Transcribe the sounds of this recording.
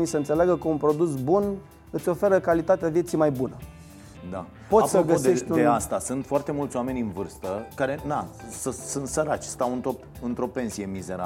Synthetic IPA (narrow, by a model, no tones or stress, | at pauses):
nisəɨnt̪se̞leaɡəkəunpɾo̞d̪us̬bun | ɨt̪sʲo̞fe̞ɾəkalit̪at̪eavje̞t̪sijmajbunə | d̪a | poassəoɡəse̞ʃt̪ʲuneast̪asɨnt̪foart̪e̞mult̪sʲoame̞nʲɨnvɨrst̪əkaɾe̞nasəsunt̪səɾat͡ʃʲst̪awɨnt̪o | ɨnt̪ɾo̞pe̞nsije̞mize̞ɾa̰